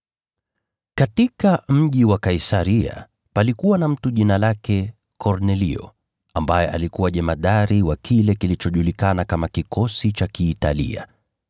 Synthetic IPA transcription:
katikam̩ʄiwakaisaɾia̰ | palikuwanam̩tuʄinalakɛ | kʰɔɾnɛlḭɔ̰ | ambajɛʔa̰likuwaʄɛmaɗaɾiwakʰilɛkilit͡ʃɔʄulikanakamakikʰɔsit͡ʃakiːtalḭa̰

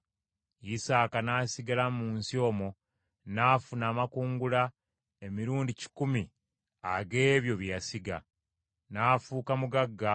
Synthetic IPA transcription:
jisaːkanaːsiɡalamuːnsio̞ːmo | naːfunaːmakuːŋɡula | e̞miɾuːndici̥kumi | aɡe̞ːβjo̞βjasiɡa̰ | naːfuːkamuɡaɡːa

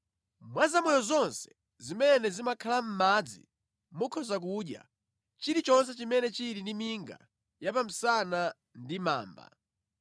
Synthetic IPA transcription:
mwazamɔjɔzɔnsɛ̥ | zimɛnɛzimakʰalam̩mad͡zḭ | mukʰɔzak̬uːɗja̰ | t͡ʃiɾit͡ʃɔnsɛt͡ʃimɛnɛt͡ʃiɾindimiŋɡa̰ | japam̩sana | ndima̰ːmba̰

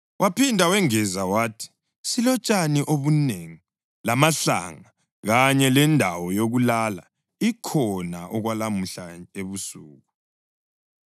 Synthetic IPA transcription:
wʔapʰindʱawɛŋɛzawaːtʰi̥ | silɔt͡ʃʼaniʔoβuneŋi | lamaɬa̰ŋa | ɣaɲɛlɛndʱawɔjoɣulala̰ | ikʰɔnaʔɔɣwalamuɬaeβusuːɣu

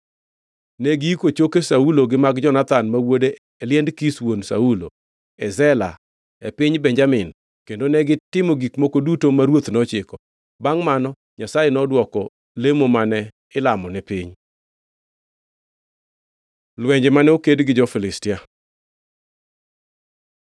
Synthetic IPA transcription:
nɛɡiikot͡ʃokesauloɡɪmaɡd͡ʒɔnat̪anmawodeː | ljɛndkiswonsa̰ulo̰ | ɛzɛla | ɛpɪɲbɛɲd͡ʒamɪn | kendonɛɡɪtɪmɔɡikmokodutomaɾwot̪nɔt͡ʃɪkɔ | baŋmanɔ | ɲasajenɔdwɔkɔ | lemomanɛ | ɪlamɔnɛpɪɲ | lwɛɲd͡ʒɛmanɛokedɡɪd͡ʒɔfɪlɪstɪa

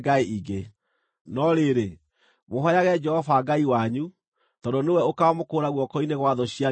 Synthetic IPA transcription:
ɡaeʔiɡe | nɔɾeɾe | moɦɔjaɣɛd͡ʒɛhɔvaɡaiwaɲu | tɔdonewɛokaɔmokoɾaɣwɔkɔineɣwaðɔɕia

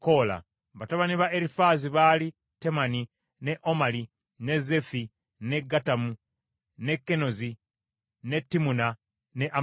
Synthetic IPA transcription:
ko̞la̰ | βataβaniβaeɾifaziβali | te̞mani | ne̞ʔo̞mali | ne̞ze̞fi | ne̞ɡatamu | ne̞kːe̞no̞zi | ne̞tːimuna | neʔa

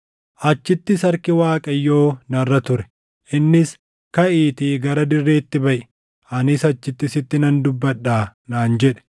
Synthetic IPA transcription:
ʔɐt͡ʃːɪt̪ːɪsɐɾkɪwaːkʼɐjːo̞ːnɐrːɐt̪ʊɾɛ̥ | ʔɪnːɪs | kɐʔiːt̪iːɡɐɾɐd̪ɪrːe̞ːt̪ːɪbɐʔɛ̥ | ʔɐnɪsɐt͡ʃːɪt̪ːɪsɪt̪ːɪnɐnd̪ʊbːɐᶑːaːnaːnd͡ʒɛᶑɛ̥

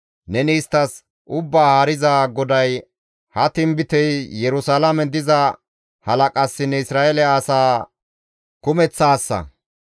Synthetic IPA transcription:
nɛniːst̪ːɐs | ʔʊbːaːhɐɾɪzaːɡɔd̪ɐj | hɐt̪ɪmbɪt̪ɛjjɛɾʊsalɐmɛd̪ɪzɐ | hɐlɐkʼɐsːɪnɛɪsɾaːʔɛlɛaːsaː | kʊmɛt͡sːaːsːɐ̰

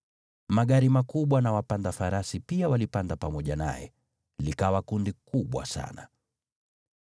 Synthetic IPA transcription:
maɠaɾimakuɓwanawapandafaɾasipiawalipandapamɔʄana̰jɛ̰ | likawakundikuɓwa̰sa̰na

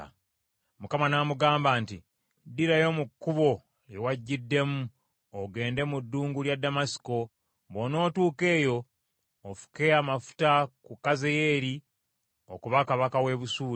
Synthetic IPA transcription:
mukamanamuɡaːmbaːnti | diɾajo̞mukːuβo̞ | jewaɟːidːe̞mu | oɡe̞ːnde̞mudːuːŋɡuljadːamasi̥ko̞ | βono̞ːtuːke̞ːjo̞ː | fu̥ke̞amafu̥takukːaze̞je̞ːɾi | okuβakaβakawe̞βusuː

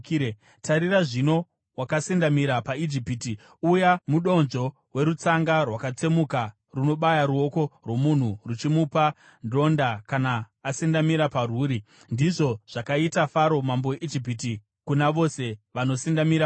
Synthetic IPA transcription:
tʰaɾiraʐino̞ | wakasindamiɾapaid͡ʒipiti | ujamuɗo̞nʐo̞ | we̞ɾut͡saŋɡarwakat͡semuka | runo̞ɓajaɾuo̞ko̞rwo̞mun̤urut͡ʃimupa | ndo̞ndakanaː | sindamiɾaparuːɾi | ndiʐo̞ʐ̥akaitafaɾo̞mambo̞jeʔid͡ʒip̬iti | kunaʋo̞se̞ʋano̞sindamiɾa

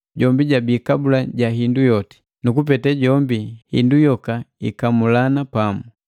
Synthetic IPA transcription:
ɟɔmbiɟabiːkabulaɟaɦindujɔti̥ | nukup̬ɛtɛɟɔmbihḭndujɔkaikamulanapamu

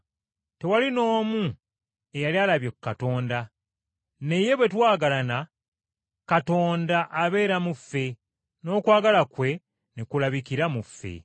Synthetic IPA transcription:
te̞walino̞ːmu | e̞jalialaβjekkːato̞ːnda | ne̞je̞βwe̞twaːɡalana | kato̞ːndaʔːβe̞ːɾamufːe̞ | no̞ːkwaːɡalakwe̞ | nekulaβikiɾamufːe̞̰

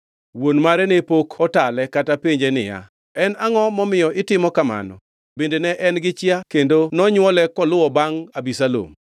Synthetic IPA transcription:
wonmaɾɛnepokʰɔtalɛkatapeɲd͡ʒenɪ̰ja̰ | ɛnaŋɔmɔmɪjɔʔɪtɪmɔkama̰nɔ̰ | bendenɛʔɛnɡɪt͡ʃjakendonɔɲwɔlɛkɔlʊwɔbaŋabisalo̰m

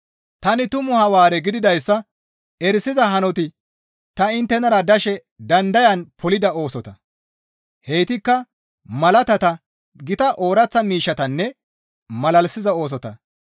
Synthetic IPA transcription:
t̪ɐnɪt̪ʊmʊhɐwaːɾɛɡɪd̪ɪd̪ɐjsːɐ | ɛɾsɪzɐɦɐnɔt̪ɪ | t̪ɐɪnt̪ːɛnɐɾɐd̪ɐʃɛ | d̪ɐnd̪ɐjɐnpʰɔlɪd̪ɐo̞ːsɔt̪ɐ | hɛjt̪ɪkːɐ | mɐlɐt̪ɐt̪ɐ | ɡɪt̪ɐʔoːɾɐt͡sːɐmiːʃːɐt̪ɐnːɛ | mɐlɐlsɪzɐo̞ːs̬ɔt̪ɐ

